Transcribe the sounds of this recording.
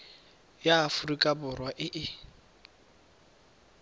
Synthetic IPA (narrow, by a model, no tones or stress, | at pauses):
jaːfʊrikʼabʊrwaʔɪʔɪ